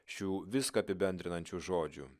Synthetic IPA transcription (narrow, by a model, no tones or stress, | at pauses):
ʃʲuːʋʲɪskɐɐpʲɪbʲɛnʲd̪ʲɾʲɪnɐnʲt͡ʃʲuːʒoːd͡ʒʲṵː